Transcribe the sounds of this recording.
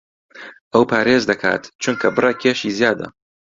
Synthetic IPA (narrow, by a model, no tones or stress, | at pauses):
ʔɐwpʰaːɾeːzd̪ɐkʰa̰ːt̪t͡ʃʰuŋkʰɐbɨrɑkʰeːʃiːzjaːd̪ɐ̰